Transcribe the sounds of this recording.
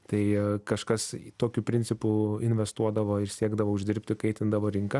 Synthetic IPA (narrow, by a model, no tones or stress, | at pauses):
t̪ɐɪkɐʃkɐst̪oːkʲʊpʲɾʲɪnʲt͡sʲɪpʊɪnʲʋʲɛst̪uɔd̪ɐʋoːɪɾsʲiɛɡd̪ɐʋoːʊʒʲd̪ʲɪɾʲpʲt̪ʲɪkɐɪt̪ʲɪnd̪ɐʋoːɾʲɪŋkɐ